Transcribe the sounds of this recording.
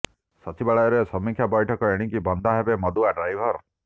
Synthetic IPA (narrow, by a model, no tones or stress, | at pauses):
sɔt͡ʃibaɭajɔɾesɔmːikʰjabɔjʈʰɔkɔeɽ̃iŋkibɔnd̪ʱaɦebemɔd̪uaɖɾajbʱɔɾ